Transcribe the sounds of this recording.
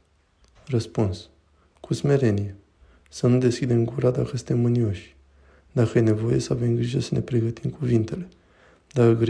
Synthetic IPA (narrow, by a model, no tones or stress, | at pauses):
rəspuns | kʰusme̞ɾe̞nije | sənud̪e̞skʲid̪e̞mɡuɾad̪akəsɨ̥t̪emːɨnio̞ʃʲ | d̪̥akəje̞ne̞vo̞je̞səave̞mɡɾiʒəsəne̞pɾe̞ɡət̪imkuvint̪e̞le̞ | d̪akəɡɾ